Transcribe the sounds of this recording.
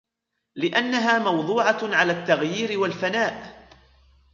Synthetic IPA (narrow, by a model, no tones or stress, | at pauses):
lɪʔanːaɦaːmɑwd̪ˤuːʕɑʕalaːt̪ːaɣjiːɾɪwalfanaːʔ